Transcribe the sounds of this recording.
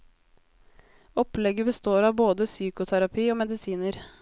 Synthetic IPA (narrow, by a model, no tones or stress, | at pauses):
ɔplɛɡəbəst̪oːɾɑːʋboːd̪əsyːkʊt̪ʰæɾɑpʰiːoːmɛd̪ɪsiːnəɾ